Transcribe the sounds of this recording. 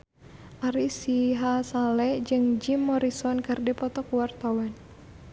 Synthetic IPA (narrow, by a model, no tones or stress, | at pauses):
ʔaɾisiɦasalɛd͡ʒɨŋd͡ʒimːɔɾisɔnkɨrdipɔt̪ɔkuwart̪awan